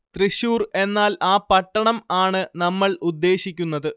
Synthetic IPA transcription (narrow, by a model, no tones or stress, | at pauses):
t̪riɕuːre̞nːaːlaːpɐʈːɐɳɐmaːɳɨnɐmːɐɭud̪ːe̞ːɕikʲːunːɐðɨ